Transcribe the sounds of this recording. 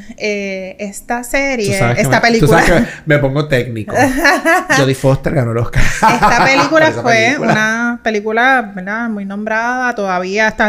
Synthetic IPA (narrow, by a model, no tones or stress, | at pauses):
eest̪aseɾjesaβeseket̪apelikt̪uskuaeakemepoŋɡot̪ek̚nikohd͡ʒoðifost̪eɾɡanolohkaest̪apelikulafweunape̞likulabeld̪amujnõmbɾaðat̪o̞ðaβiaest̪a